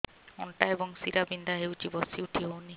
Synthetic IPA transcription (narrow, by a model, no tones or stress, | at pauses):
ɔ̰nʈaebɔŋsiɾabindaɦewd͡ʒibɔsiuʈʰiɦowni